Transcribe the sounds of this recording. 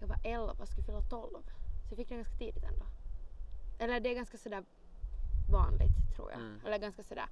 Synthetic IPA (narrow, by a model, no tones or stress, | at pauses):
jɑɡva̰ʔɛlvasɔkafʏlːat̪ʰɔlvsɔjɑfɪk̚ːd̪ɛɡanskḁt̪ʰiːd̪ɪt̪ʰɛ̰nd̪o | ʔɛlːəɖɛːɡanskasɔd̪æː | vɑːnlɪ̰ɡt̪ʰːɾṵːɾjɑ̰ːɛlːəɾɡanskasɔd̪æ̰ːɾ